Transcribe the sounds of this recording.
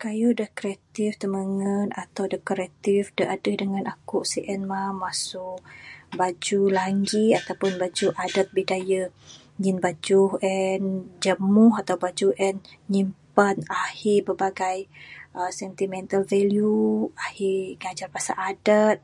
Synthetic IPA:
kajudəhkɾiat̪ift̪əməŋənat̪awdəkoɾat̪ifdəʔadəhdəŋanʔakʊʔsiʔɛnmamasʊʔbad͡ʒulaŋɡiat̪awpʊnbad͡ʒuʔadat̪̚bidajə | ɲɪnbad͡ʒuhɛnd͡ʒəmʊɦat̪awbad͡ʒuʔɛnɲimpanahɪbərbaɡajʔəsɛnt̪imɛ̃nt̪alvɛljuahɪɡad͡ʒarbasa̰ʔadət̪̚

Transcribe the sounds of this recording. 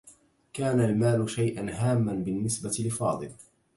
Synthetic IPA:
kaːnalmaːlʊʃajʔanɦaːmːanbɪnːɪsbat̪lɪfɑːd̪ˤɨl

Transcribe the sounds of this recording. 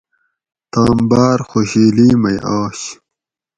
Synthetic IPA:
t̪aːmbaːɾxoɕiːliːmɐjʔaːɕ

